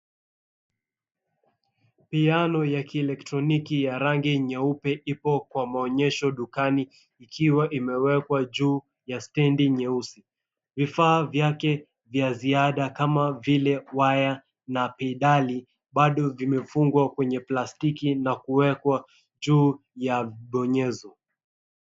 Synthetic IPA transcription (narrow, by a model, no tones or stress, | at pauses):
pianɔjakiɛlɛk̚tɾɔnikijaɾaŋɡiɲɛupɛʔipɔkwamaɔɲɛʃɔɗukani | ikʰiwaʔimɛwɛkwaʄuː | jastɛndiɲɛusi | vifaːvjakɛ | vjaziaɗakamavilɛwaja | napɛiɗali | ɓaɗɔvimɛfuŋɡwakwɛɲɛplastikinakuwɛkwa | ʄuː | javɓɔɲɛzɔ